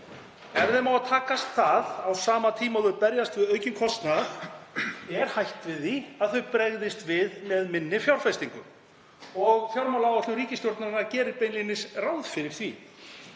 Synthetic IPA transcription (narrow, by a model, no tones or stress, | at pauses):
ɛvðɛmaːwat̪ʰaːkast̪θaðawsaːmat̪ʰiːmaðʏpɛɾjast̪vɪðœːɥcʏmkʰɔst̪nað | ɛɾ̥hajht̪vɪðiaðθœɥpɾɛɣðɪst̪vɪðmɛðmɪnːɪfjawɾ̥fɛst̪iŋkʏm | ɔɣfjawɾmawlawɔt̪ʏriːcɪst̪jowɾt̪naɾɪnacɛːɾɪɾpejnlinɪsrawðfɪɾɪɾ̥θvḭ